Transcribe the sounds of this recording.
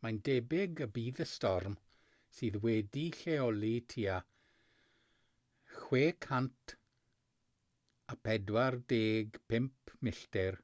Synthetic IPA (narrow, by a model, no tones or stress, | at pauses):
mandɛbɪɡəbiːðəstɔrm | siːðwɛdiɬeɔlitʰiːa | xweːkʰantʰ | apʰɛdwardeːɡpʰɪmpʰmɪɬtɪr